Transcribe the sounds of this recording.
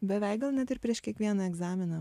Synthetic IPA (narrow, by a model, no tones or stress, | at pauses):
bʲɛʋʲɛɪkɡɐlˠnʲɛt̪ɪɾpʲɾʲiɛʃkʲiɛkʋʲiɛnɑɛɡzɑːmʲɪnɐ